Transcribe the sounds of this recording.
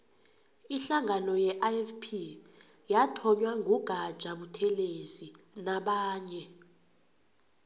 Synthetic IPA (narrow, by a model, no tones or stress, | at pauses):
iɬaŋanɔjɛʔaɛfpʰi | jatʰɔɲwaŋɡʱuɡ̥ʱḁʒ̥ʱaɓutʰɛlezi | naɓaːɲɛ